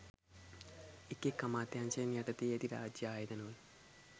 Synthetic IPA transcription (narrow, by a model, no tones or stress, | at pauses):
ikːekːɐmaːt̪jaːnt͡ɕeneʈɐt̪ːied̪iɾa̰ːd͡ʑjaːjɐd̪ɐnoːl